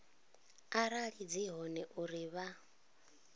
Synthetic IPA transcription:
aɾaɺid͡ziɦɔnɛʔuɾiβa

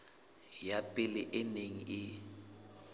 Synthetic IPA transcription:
japʼɪlɪʔɪneŋ̩ʔɪ

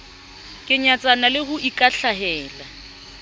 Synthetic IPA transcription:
kʼɪɲat͡sʼanalɪhʊʔikʼaɬaɦɛːla

